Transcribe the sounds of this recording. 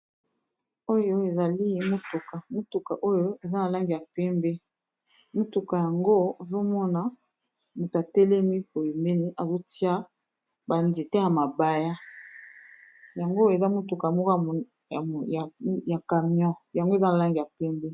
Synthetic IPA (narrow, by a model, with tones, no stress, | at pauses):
o˦jo˦e˨za˨li˦mo˦tu˨ka˨mo˦tu˨ka˨ʔo˦jo˦e˨za˦na˨la˦ŋɡi˨ja˨pɛ˦mbɛ˦ | mo˦tu˨ka˨ja˨ŋɡo˦˨zo˦mɔ˦na˨ | mo˨to˨a˨tɛ˦lɛ˦mi˦po˨jo˨me˦ni˦ʔa˨zo˦ti˦a˦ | ba˨nzi˨tɛ˦ja˨ma˨ba˨ja˦ | ja˨ŋɡo˦˨e˨za˦mo˦tu˨ka˨mɔ˦k | ja˨ka˨mi˦ɔ̃˦ja˨ŋɡo˦e˨za˦na˨la˦ŋɡi˨a˨pɛ˦mbɛ˦